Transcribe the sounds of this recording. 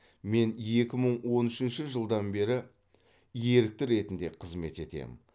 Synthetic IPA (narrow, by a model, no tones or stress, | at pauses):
me̞nje̞kʲɪməɴwo̞nʏʃɪnʃɪʒəlˠd̪ɑnbe̞ɾɪ | je̞ɾɪk̚t̪ɪɾe̞t̪ɪnd̪e̞qʰəzme̞t̪e̞t̪e̞̰m